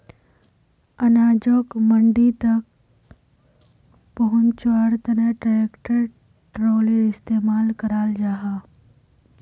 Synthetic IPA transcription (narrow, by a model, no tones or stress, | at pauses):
ɐnaːd͡ʒoːkmɐ̃ɳɖit̪ɐk̚ | pɐɦʊ̃nt͡ʃaːɽt̪ɐnəʈɾaeːkʈəɾ | ʈɾoːliɾɪst̪eːmaːlkɐɾaːld͡ʒaːɦaː